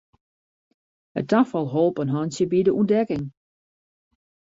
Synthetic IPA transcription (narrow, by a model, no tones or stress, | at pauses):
hə̰tafɔlˠɦoːlˠpənɦɔnsjəbidəʔundɛkɪŋ